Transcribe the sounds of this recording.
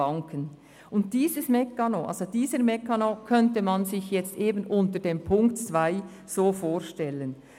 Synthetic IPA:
ɑŋkʰən | ʔʊnt̚d̥iːzəsmɛkːɑnoʔa̰lsod̥iːzəɾmɛkːɑnokʰœntəmɑnzɪçjɛt͡stʔeːbənʔʊntəɾdempʰʊŋktt͡svaɪ | z̥oːfoːɾʃtɛlən

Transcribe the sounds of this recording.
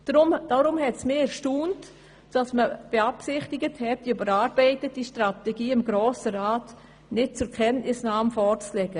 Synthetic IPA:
d̥ɾʊmd̥ɔɾʊmhɛtsmeːɛɾʃtuːnt | d̥ɑsməb̥eɑpsɪχtɪɡəthɛt̚d̥iybəɾɑːɾbɛɪtətiʃtratɛɡiːɪmɡɾoːsəɾaːt | nɪt̚t͡sʊɾkʰɛnʔnɪsnɑːmfɔrt͡slɛɡə

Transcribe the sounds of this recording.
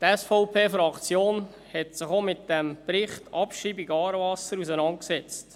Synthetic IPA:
tɛsfɔʊpʰeːfɾɑkt͡sjoːn | hɛtsɪχomɪt̚d̥ɛmpɾɪχtɑpʃiːbɪɡɑːɾvɑsəɾus̬ənɑnt̚ksɛt͡st

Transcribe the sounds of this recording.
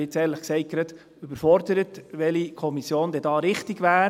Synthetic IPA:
ɪt͡sɛːntləχksɛɪkɾəd̥̪ | yb̥əɾfɔɾd̪əɾətʋɛlikʰɔmisjoːnd̪ɛdɑːɾɪχt̪iɡʋæː

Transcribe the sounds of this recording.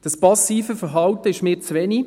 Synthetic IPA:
d̥ɑspɑsiːfəfəɾɦɑwtəɪʃmeːɾt͡sʋɛni

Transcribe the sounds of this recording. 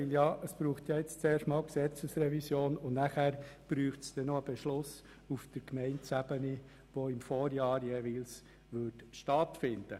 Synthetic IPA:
ɪljɑːʔəsb̥ɾuːχt̪jɑːɪt͡st͡seːʃtmɑːlksɛt͡səsrɛvisjoːnʊnnæχæːɾb̥ɾyːχtsd̥ɛnoəb̥ɛʃlʊs | ufd̥əɾkmɛɪntsæbəni | ʋoɪmfoːɾjɑːɾjeːʋiːls | ʋʏɾtʃtɑtfɪnd̥ə

